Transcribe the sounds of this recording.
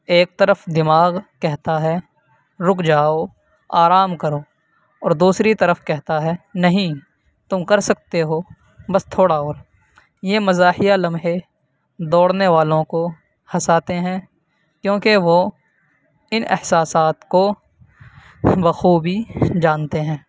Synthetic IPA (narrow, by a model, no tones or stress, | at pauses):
eːk̚t̪ɐɾəfd̪ɪmaːɣkɛɦt̪aɦɛ | ɾʊkʰd͡ʒaːo | aːɾaːmkɐɾoː | ɔːɾd̪uːsɾit̪ɐɾəfkɛɦt̪aɦɛnɐɦĩ | t̪ʊmkɐɾsɐk̚t̪eɦoː | bɐst̪ʰoːɽaoːɾ | jeːmɐzaːhijalɐmɦe | d̪ɔːɽneʋaːlõko | hɐsaːt̪eɦɛ̃ː | kjõːkeʋo | ɪnʔɪ̰hsaːsaːt̪ko | bɐxuːbʱid͡ʒaːnt̪eɦɛ̃ː